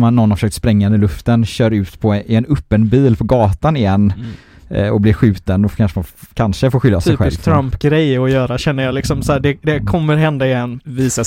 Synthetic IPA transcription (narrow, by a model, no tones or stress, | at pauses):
manːɔnːafəʂøːk̚t̪spɾɛŋːaɵnd̪əɾɭɵft̪ənɕœːɾʉ̟ːt̪pʰɔɪɛnɵpːənbiːlpʰɔɡɑːt̪anɪjɛnː | ɔblɪɾɧʉ̟ːt̪ənd̪ɔkʰanʂəmankʰanʂəfoːɾɧʏlːasʰɛːɧɛɪst̪ʰɾampɡɾɛjɔjœːɾaɕɛnːəɾjɑlɪksɔmsæːɖɛd̪ɛkʰɔmːəɾɦɛnd̪aɪjɛnːviːsa